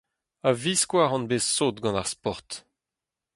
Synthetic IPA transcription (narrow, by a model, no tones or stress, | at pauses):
aviskwaːʁɑ̃nbesoːt̪ɡɑ̃naʁspɔʁt̪